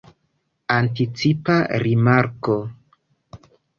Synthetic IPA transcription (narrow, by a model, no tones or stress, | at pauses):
antit͡sipaɾimaɾko